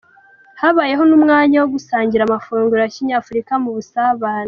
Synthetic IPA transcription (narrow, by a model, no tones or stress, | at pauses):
haβaje̞ɦo̞numŋaːɲawo̞ɡusaːɲɟiɾaːmafuːŋɡuɾjaciɲaːfuɾikamuβusaβaːna